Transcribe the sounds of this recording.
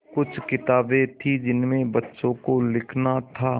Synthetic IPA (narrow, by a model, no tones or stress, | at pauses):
kʊt͡ʃʰkɪt̪aːbẽt̪ʰid͡ʒɪnmẽbɐtːʃõkolɪkʰnat̪ʰaː